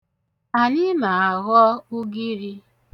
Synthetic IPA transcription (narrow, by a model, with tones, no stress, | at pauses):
a˨ɲɪ˦ma˨a˨ɣɔ˦u˦ɡi˦ɾi˦